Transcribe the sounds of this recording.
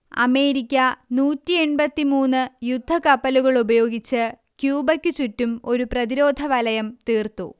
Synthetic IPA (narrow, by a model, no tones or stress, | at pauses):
ɐ̰me̞ːɾikʲːɐnuːtːie̞ɳbɐt̪ːimuːnːɨjud̪ʱːɐkɐpːɐluɣɐɭubɐjo̞ːɡit͡ɕːɨ | kjuːbɐkʲːɨt͡ɕutːumo̞ɾuprɐðiɾo̞ːd̪ʱɐʋɐlɐjɐmt̪iːrt̪ṵ